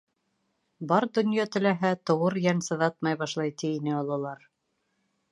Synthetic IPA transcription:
bɑɾd̪ɵ̆njɑt̪ɘ̆læɦæt̪ŏwɤɾjænsɤ̆ðɑt̪̚mɑjβɑʃlˠɑjt̪iinɘɑlˠɑlˠɑɾ

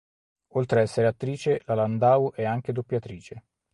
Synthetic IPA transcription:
olt̪ɾeɛsːeɾeat̪ːɾiːt͡ʃelaland̪aːwʔɛaŋk̟ed̪opːjat̪ɾiːt͡ʃe

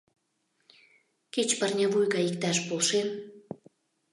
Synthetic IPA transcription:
ket͡ɕpərnʲavujɣɑikt̪ɑʃpolʃem

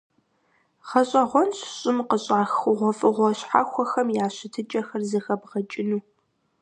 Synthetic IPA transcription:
χɐɕʼɐʁʷɔnɕɕʼɪmqəɕʼaːxʊʁʷɔfʼɨʁʷɔɕħa̰xʷɔxɐmjaːɕɪtʰɨt͡ʃʼɐxɐrzɐxɐbʁɐt͡ʃʼɪnuː

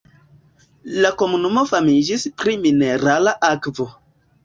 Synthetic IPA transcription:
lako̞munumo̞famid͡ʒispɾimine̞ɾalaʔakvo

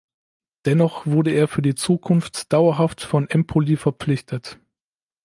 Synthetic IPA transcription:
d̥ɛnɔχv̥ʊɐdəeːɐfyːɐdiːt͡suːkʰʊnftd̥aʊɐɦaftfɔnʔɛmpʰolifɛɐp͡flɪçtʰət

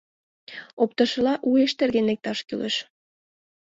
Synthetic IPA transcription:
op̚t̪ɤ̆ʃɤ̆lɑʔueʃt̪erɣenek̚t̪ɑʃkylḛ̆ʃ

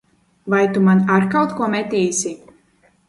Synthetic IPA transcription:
vajt̪umanaɾkawt̪kuɔmɛt̪ʲɛjsʲi

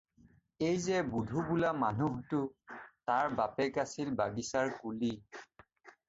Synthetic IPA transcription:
ejzɛbudʱubulamanuɦtʊtaɹbapɛkasilbaɡisaɹkuli

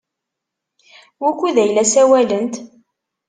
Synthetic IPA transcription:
wukʷːuðæjlæsæwælənt̪

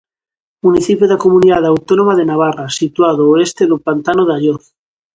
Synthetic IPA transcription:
muniθipjoðakomuniðaðawt̪onomaðenaβ̞arasit̪waðoːest̪eðopant̪anoðaʎoθ

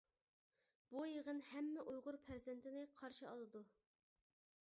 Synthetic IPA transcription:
b̥ujeʁənhɛmːɛʔujʁʊɾpʰæɾzɛnt̪ʰɪnɪqʰɑɾʃɨɑlˠɨd̪u

